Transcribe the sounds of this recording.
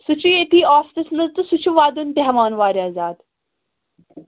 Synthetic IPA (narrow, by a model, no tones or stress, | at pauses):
sut͡ʃʰuet̪iːaːst̪ɨsnɐzt̪ɨsut͡ʃʰuʋaːd̪unt̪eɦʋaːnʋaːɾiaːzaːd̪